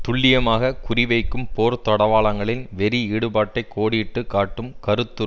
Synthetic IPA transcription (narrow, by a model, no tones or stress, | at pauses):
t̪ʊɭːɪjɐmaːɣɐkʊrɪʋɐɪkːɯmpoːɾt̪ɔɽɐʋaːɭɐŋɡɐɭɪnʋɛɾiiːɽɯbaːʈːɐɪkʰːoːɽɪʈːɯkːaːʈːɯmkɐɾɯt̪ːɯ